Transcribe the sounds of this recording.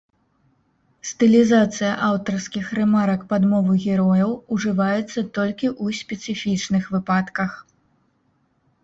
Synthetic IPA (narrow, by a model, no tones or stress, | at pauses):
st̪ɨlʲizat̪sɨjɐʔawt̪ɐrskʲixɾɛmaɾɐkpad̪mɔvɨɣʲɛɾɔjɐwuʐɨvajɛt̪sːɐt̪ɔlʲkʲiʔusʲpʲɛt̪sɨfʲit͡ʂnɨxvɨpat̪kɐx